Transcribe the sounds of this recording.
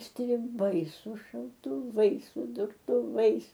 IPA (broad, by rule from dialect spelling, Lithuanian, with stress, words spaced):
sʲtʲrʲɪˈbɐɪ sʊ ʃɐʊtʊˈʋɐɪs sʊ dʊrtʊˈʋɐɪs